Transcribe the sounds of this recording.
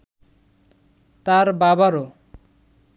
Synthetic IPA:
t̪aɾbabaɾo

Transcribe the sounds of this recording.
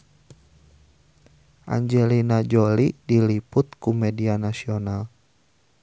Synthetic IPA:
ʔa̰ɲd͡ʒɛlinad͡ʒɔlidilipʊt̪̚kumɛdianasiɔnal

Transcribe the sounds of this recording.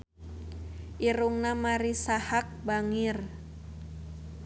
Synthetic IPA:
ʔiɾuŋnamaɾisahak̚baŋir

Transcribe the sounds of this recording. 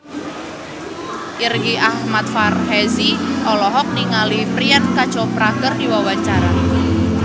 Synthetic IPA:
ʔirɡiʔahmat̪̚farhɛziʔɔlɔɦɔk̚niŋalipɾiankḁt͡ʃɔpɾaɡərdiwawaɲt͡ʃaɾa

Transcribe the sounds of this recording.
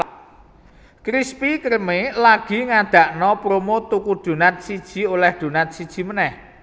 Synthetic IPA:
kɾispikərmelaɡ̥i̤ŋad̪̥ä̤ʔnɔpɾomot̪ukud̪̥ṳnat̪̚sid̥ʒ̥i̤olɛhd̪̥ṳnat̪̚sid̥ʒ̥i̤mənɛh

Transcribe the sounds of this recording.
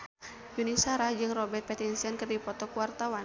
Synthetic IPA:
junisaɾad͡ʒɨŋrɔbɛrt̪̚pɛt̪insɛnkɨrdipɔt̪ɔkuwart̪awan

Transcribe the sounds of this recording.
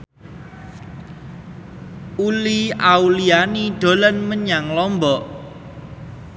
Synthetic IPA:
uliaulianiɖ̪̥o̤lɔnməɲaŋlɔmbɔʔ

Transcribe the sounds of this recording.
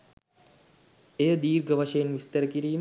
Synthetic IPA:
ejəd̪iːrɡəʋɐʃɐjenʋist̪əɾəkiɾiː

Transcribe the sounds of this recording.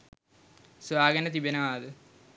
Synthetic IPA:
sʋaːɡɐnɐt̪ibɐnɐʋaːðɨ

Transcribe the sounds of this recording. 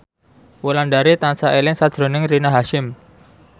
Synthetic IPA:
wulandaɾit̪ansaʔelɪŋsad̥ʒ̥ɾo̤nɪŋrinaɦaʃɪm

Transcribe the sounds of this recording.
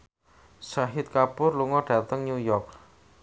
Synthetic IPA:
saɦɪt̪̚kapʊrluŋɔɖ̥a̤t̪əŋɲujɔrk̚

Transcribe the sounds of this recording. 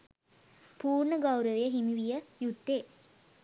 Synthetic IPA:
puːrɳəɡawɾəʋejəɦimiʋijəjut̪ːeː

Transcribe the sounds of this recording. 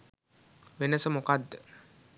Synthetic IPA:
ʋenəsəmokad̪ːə

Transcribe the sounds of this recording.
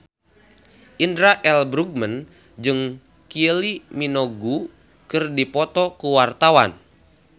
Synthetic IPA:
ʔindɾaʔɛlbɾuɡ̚mən | d͡ʒɨŋ | kiəliminoɡu | kɨrdipɔt̪ɔkuwart̪awa̰n

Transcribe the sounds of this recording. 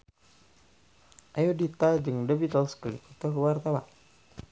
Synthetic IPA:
ʔajudit̪ad͡ʒɨŋdəbit̪əlsklḭkut̪ɔkwart̪awa̰n

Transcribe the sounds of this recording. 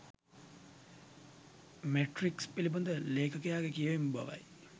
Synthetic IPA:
meʈrikspilibund̪əleːkəkəjaːɡekijəʋembɐ̰ʋɐ̰j

